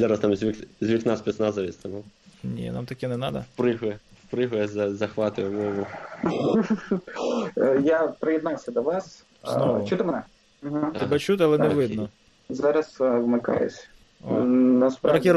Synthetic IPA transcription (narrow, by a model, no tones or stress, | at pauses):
zɑɾɐst̪amzʲʋʲikzʲʋʲiknaspʲisnɑzɐʋʲist̪ɐmɔnʲḭnɑ̰mt̪ɐkʲɛnɛnɑd̪ɐpɾɪɦʊjɛfpɾɪɦʊjɛzɐzɐxʋɑt̪ʊjɛmɔmʊ | japɾɪjɛd̪nɑwsʲɐd̪ɐʋɑs | d̪ɔt͡ʃut̪ɪmɛnɛ | m̩ɦt̪ɛbɛt͡ʃut̪ɪɑlˠɛnɛʋɪd̪nɔ | zɑɾɐsʋmɪkɑ̰jʊ̰sʲ | onɐspɾɾɐkʲi